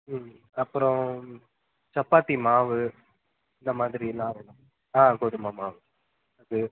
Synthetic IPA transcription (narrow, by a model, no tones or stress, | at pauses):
ɐpːɯɾɔ̃ | t͡ʃɐpːaːʈ̪ːimaːʋɯ | ɪnd̪ɐmaːðɪɾilãːɛnɐ̃ | aːkoːðɯmaːmaːʋɯ | ɐðɯ